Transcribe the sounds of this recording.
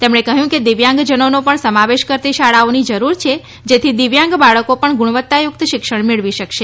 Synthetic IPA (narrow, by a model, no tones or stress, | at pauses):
t̪emɳekəɦjũked̪iʋjãŋɡd͡ʒənonopəɳsəmaʋeʃkəɾt̪iʃaɭaonid͡ʒəɾuɾt͡ʃʰe | d͡ʒet̪ʰid̪ɪʋjãŋɡbaɭəkopəɳɡuɳ̃ʋət̪ːajʊk̚t̪ʃɪkʃəɳmiɭʋiʃəkʃe